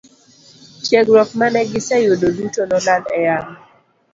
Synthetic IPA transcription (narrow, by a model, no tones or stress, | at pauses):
tjɛɡɾɔfmanɛɡɪsɛjododutonɔladɛ̰jaŋ